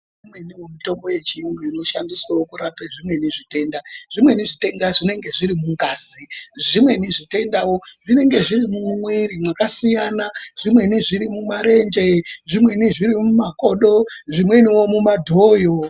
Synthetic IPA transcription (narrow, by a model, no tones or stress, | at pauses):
imweniwomuto̞mbo̞je̞t͡ʃiiŋɡoino̞ʃandiswawokurapeʐimwe̞niʐite̞ːndaʐ̥imwe̞niʐite̞ndaʐine̞ŋɡe̞ʐiɾimuŋɡaːsiʐimwe̞niʐite̞ndawo̞ʐine̞ŋɡe̞ʐiɾimumumwirimwakasijanaʐ̥imwe̞niʐiɾimumaɾe̞nd͡ʒe̞ʐimwe̞niʐiɾimumako̞ɗo̞ʐimwe̞niwo̞mumadʱojo